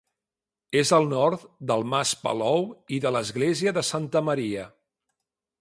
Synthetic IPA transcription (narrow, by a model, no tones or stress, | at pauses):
ezəlˠnɔɾt̪d̪əlˠmaspə̰lɔwiðələzɣleziəðəsant̪əməɾiə